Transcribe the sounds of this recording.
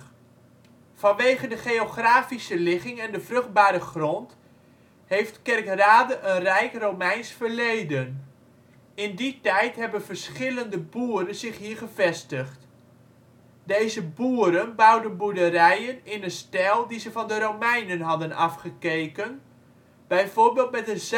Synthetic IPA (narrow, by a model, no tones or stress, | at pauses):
vɑnʋejχəndəχejoχraːfisəlɪχɪŋɛndəvrɵχd̚baːɾəχrɔnt | hejftkɛrkraːdəʔənrɛjkrowmɛjnsfəɹlejdən | ɪnditɛjtɦɛbənvəɹsχɪləndəbuːɾənzɪχɦiːɹχəvɛstəχt | dejzəbuːəɾənbawdənbudərɛjənɪnənstɛlˠdizəvɑndəɾomɛjnənɦɑdənɑfχəkejkən | b̥ɛjvoːɹbeːlˠtmɛtəz